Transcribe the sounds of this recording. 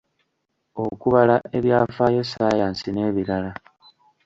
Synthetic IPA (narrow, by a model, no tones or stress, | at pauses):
okuβalaʔe̞βjaːfaːjesaːjaːnsine̞ːβiɾala